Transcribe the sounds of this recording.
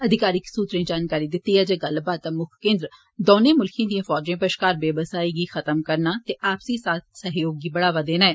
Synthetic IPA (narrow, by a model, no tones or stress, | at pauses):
əd̪ʱɪkaːɾɪksuːt̪ɾẽːd͡ʒaːnkaːɾiːd̪ɪt̪ːiːɛːd͡ʒeːɡəlbaːd̪̚t̪aːmʊkʰkẽːnd̪ɾə | d̪oːnẽːmʊlkʰjãːd̪ijãːfʰɔːd͡ʒẽːpəʃkaːɾbeːbəsaːiːɡiːxʰət̪əmkəɾnaːt̪eːʔaːpsiːsaːt̪̚ʰsəɦjoːɡiːbəɽaːʋaːd̪eːnaːɛː